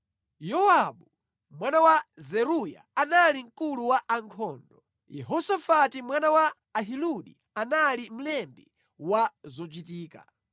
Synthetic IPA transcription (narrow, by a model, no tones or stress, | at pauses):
jɔwaɓu | mwanawazɛɾuja̰analiŋ̩kuluwaʔaŋkʰɔːndɔ | jɛɦɔsafatimwanawaː | ɦiluɗḭ | analim̩lɛmbi | wazɔt͡ʃitiːka̰